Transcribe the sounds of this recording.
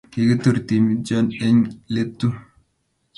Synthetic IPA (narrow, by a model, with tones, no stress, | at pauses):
ke˨ɡi˦tu˨ɾti˨mid͡ʒɔ˦ne˦ɲle˦tːu˦